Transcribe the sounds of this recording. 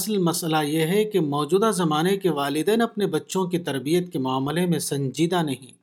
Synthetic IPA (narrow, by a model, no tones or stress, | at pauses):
ɐslmɐsəlajeɦɛkemɔːd͡ʒuːd̪azɐmaːnekeʋaːlɪd̪ɛːnɐpnebɐtːʃõkit̪ɐɾbijət̪kemʊaːmlemẽsɐ̃ɲd͡ʒiːd̪anɐɦĩː